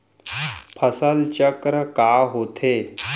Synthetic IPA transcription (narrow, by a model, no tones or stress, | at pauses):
pʰəsəlt͡ɕəkɾəkaɦot̪ʰe